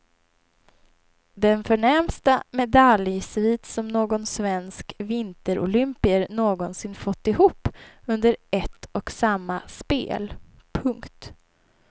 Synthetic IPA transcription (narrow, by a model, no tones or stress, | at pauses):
d̪ɛnfœɳɛɾmst̪amɛd̪aljsviːt̪sɔmnoːɡɔnsvɛnskvɪnt̪əɾʔʊ̰lʏmpɪəɾnoːɡɔnsɪnfɔt̪ːɪhuːpːɵnd̪əɾɛt̪ːɔksamːaspḛːl | pʰɵŋkt̪